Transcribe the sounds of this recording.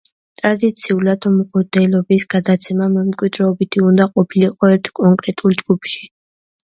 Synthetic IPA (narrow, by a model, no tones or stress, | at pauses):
t̪ʼɾad̪it̪sʰiulat̪ʰɔmqʼɔd̪ɛlɔbisɡ̥ad̪at̪sʰɛmamɛmkʼwid̪ɾɛɔbit̪ʰiund̪aqʼɔpʰiliqʼɔɛɾt̪ʰkʼɔŋkʼɾɛt̪ʼulˠd͡ʒɡupʰʃi̥